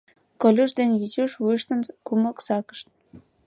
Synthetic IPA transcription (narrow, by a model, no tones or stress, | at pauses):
kŏlʲuʃd̪enʲβit͡ɕuʃujʃt̪əmkuməksɑkə̥ʃt̪̚